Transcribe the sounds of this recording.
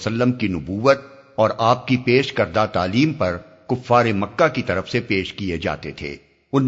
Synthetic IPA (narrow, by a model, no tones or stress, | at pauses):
səlːəmkinʊbuːʋət̪̚ | ɔːɾaːp̚kipeːʃkɐɾd̪at̪aːliːmpɐɾ | kʊfːaːɾemɐkːakit̪ɐɾəfsepeːʃkied͡ʒa̰ːt̪et̪ʰḛː | ʊn